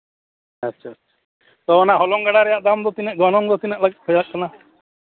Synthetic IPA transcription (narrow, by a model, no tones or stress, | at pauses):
atːʃʰaːtːt͡ʃʰḁ | t̪ɔɔnaɦɔlɔŋɡaɽaɾɛjaʔd̪amd̪ɔt̪inɛʔɡɔnɔŋd̪ɔt̪inɛʔlaɡɛt̪hɔjaʔ̚kɔna